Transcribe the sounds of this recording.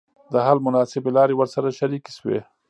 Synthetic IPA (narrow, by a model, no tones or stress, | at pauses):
d̪əɦalmʊnɑsɪbelɑɾewəɾsaɾaʃaɾiki̥swḛ